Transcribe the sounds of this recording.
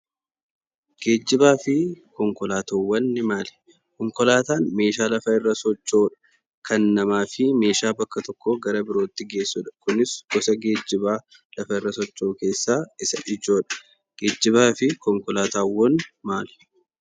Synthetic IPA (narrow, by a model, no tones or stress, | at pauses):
ɡ̥e̞ːd͡ʒːɪbaːfɪkɔŋkɔlaːt̪oːwːɐnːɪmaːlɛ̥ | kɔŋkɔlaːt̪aːnme̞ːʃaːlɐfɐɪrːɐsɔt͡ʃːo̞ːᶑɐ̥ | kʰɐnːɐmaːfɪme̞ːʃaːbɐkːɐt̪ɔkːoːɡɐɾɐbɪɾo̞ːt̪ːɪɡe̞ːsːʊᶑɐ̥kʊnɪsɡ̥ɔsɐɡe̞ːd͡ʒːɪbaː | lɐfɐɪrːɐsɔt͡ʃːo̞ːke̞ːsːaːɪsɐʔɪd͡ʒo̞ːᶑɐ̥ | ɡ̥e̞ːd͡ʒːɪβaːfɪkɔŋkɔlaːt̪aːwːɔnmaːlɛ̥